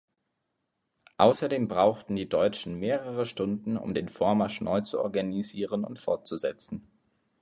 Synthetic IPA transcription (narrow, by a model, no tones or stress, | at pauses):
ʔaʊsɐdeːmbʁaʊxtn̩diːdɔʏt͡ʃn̩meːʁəʁəʃtʊndn̩ʊ̰mdeːnfoːɐmaɐʃnʔɔʏt͡suʔɔ̰ɐɡaniziːʁənʊ̰ntfɔɐt̚t͡suzɛt͡sn̩